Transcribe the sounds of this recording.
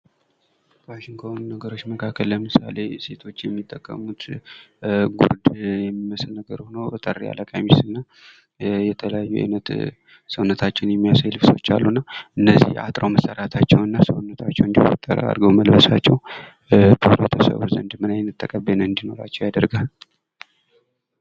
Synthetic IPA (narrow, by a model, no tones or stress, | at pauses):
waʃiŋɡt̪ʰonːəɡəɾo̞t͡ʃːməkʰakʰːəlləmɨsa̰le̞se̞t̪ʰo̞t͡ʃːjɛmːit̪ʼːəkʼːə̰mut̪ | ɡṵɾd̪jɛmːiməslnəɡəɾhonowt̪ʼərːḭa̰ləkʼamisɨnːa | jɛt̪ʰələjajːuʔa̰jnət̪ | səwnːət̪ʰat͡ʃːɪnjɛmːijasajlɨfso̞̰t͡ʃːa̰lːunːaʔɨnːəzḭha̰t̪ʼɾawməsəɾat̪ʰat͡ʃːɛwnɨnːasəwunːət̪ʰat͡ʃːɛ̰wɨnd̪iwot̪ʼːəɾa̰ɾɡəwməlbəsat͡ʃːɛw | bʰoɾot̪ʰəsə̰βuzə̰nd̪mɨnajnːɨt̪ʼːəkʼəbenəɨnd̪ino̞ɾa̰t͡ʃːɛwjad̪əɾɡal